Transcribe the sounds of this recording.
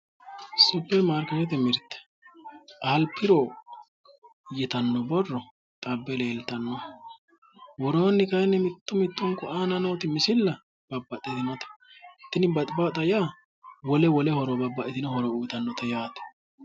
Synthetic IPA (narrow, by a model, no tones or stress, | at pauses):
sɔpːɛmaːɾkɐɾɛt̪ɛmɪɾt̪ːɛ̥ | ʔɐlpʰːɪɾo | jɛt̪ɐnːɔbɔrːɔ | t̪ʼɐbːɛle̞ːlt̪ɐnːɔ | wɔɾoːnːɪkɐjnːɛmɪt̪ːʊmɪt̪ːɔŋkːʊaːnɐno̞ːt̪ɪmɪsɪlːɐ | b̥ɐbːɐt̪ʼːɛt̪ɪnɐt̪ɐ̥ | t̪ːɪnɪbɐt̪ʼbat̪ʼɐja | wɔlɛwɔlɛhɔɾɔbɐbːɐʔɛt̪ɪnɔhɔɾɔujt̪ɐnːɔt̪ɐjaːt̪ɛ̥